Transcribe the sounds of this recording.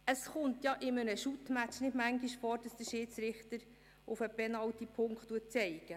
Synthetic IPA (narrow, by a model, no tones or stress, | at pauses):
əsχʊntjɑʔɪmənəʃutmæt͡ʃnɪdmæŋɡiʃfoːɾd̥ɑsd̥əʃiːtt͡sɾɪχtəɾ | ʊfəbɛnɑwtipʰʊŋkχtːuət̚t͡sɛɪɡ̥ə